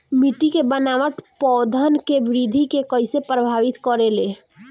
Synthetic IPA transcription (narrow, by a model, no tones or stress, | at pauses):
miʈikebənaʋəʈpɔd̪ʱənkebɾid̪ʱikekəjsepɾəbʱaʋit̪kɔɾele